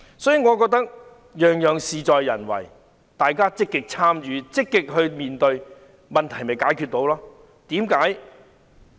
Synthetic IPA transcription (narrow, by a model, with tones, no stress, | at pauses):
sɔː˨˥jiː˨˩ŋɔː˨˧kɔː˧k̚t̪ɐ˥k̚ | jœː˨ŋjœː˨ŋsiː˨t͡ʃɔː˨˧jːɐ̰˨˩nwɐ̰˨˩j | t̪aː˨jkaː˥t͡sɪ˥kːɪ˥k̚t͡sʰaː˥mjyː˨˧t͡sɪ˥kːɪ˥k̚ɦɵ˧ɥmiː˨nt̪ɵ˧ɥ | mɐ˨nt̪ʰɐ˨˩jmɐ˨˩jkaː˨˥jkʰyː˧t̚t̪o˨˧˥wlaː˥ | t̪iː˨˥mkaː˨˥j